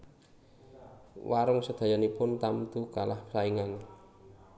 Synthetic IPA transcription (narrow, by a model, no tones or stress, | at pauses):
waɾʊŋsəd̪̥a̤janipʊnt̪amt̪ukalahpə̥saiŋan